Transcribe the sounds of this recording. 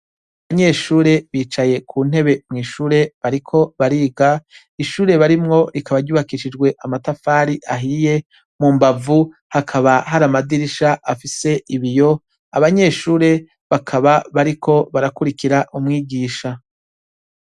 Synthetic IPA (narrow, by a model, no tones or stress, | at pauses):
aβaɲe̞ːʃuːɾe̞βiːt͡ʃaje̞kʰuːn̥e̞βe̞mŋiːʃuːɾe̞βaɾikʰo̞βaɾiːɡa | iʃuːɾe̞βaɾimŋo̞ɾikaβaɾɟuːβakiʃid͡ʒɡwe̞ʔamatafaːɾiʔaɦiːje̞ | mumbavu | hakʰaβaɦaɾamadiɾiʃaʔafise̞ʔiβijo̞ | aβaɲe̞ːʃuːɾe̞ | βakʰaβaβaɾikʰo̞βaɾakuɾikiɾaʔumŋiːɡiːʃa